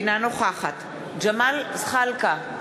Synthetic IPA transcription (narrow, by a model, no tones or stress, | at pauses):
nanoχaːxat̪ | d͡ʒamalsχalka